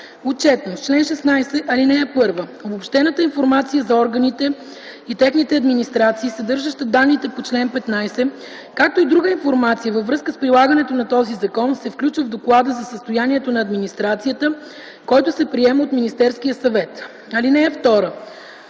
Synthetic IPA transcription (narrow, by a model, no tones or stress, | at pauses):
ot̪̚t͡ʃɛt̪not͡ʃlɛnʃɛsnajsɛʔɐlinɛɛpɤɾvəobopʃt̪ɛnət̪əinfoɾmat̪sijəzɐɔɾɡənit̪ɛ | it̪ɛxnit̪ɛɐd̪minist̪ɾat̪siːsɐd̪ɤɾʒəʃt̪əd̪anːit̪ɛpot͡ʃlɛnpɛt̪najsɛ | kak̚t̪oid̪ɾuɡəinfoɾmat̪sijəvəvɾɤskəspɾilˠaɡənɛt̪onɐt̪ɔzizɐkɔnsɛfklʲut͡ʃvəvd̪oklˠad̪əzɐsəst̪ojaniɛt̪onɐːd̪minist̪ɾat̪sijət̪ə | kɔjt̪osɛpɾiɛmɛot̪minist̪ɛɾskijəsɐvɛt̪ | ɐlinɛɛft̪ɔɾə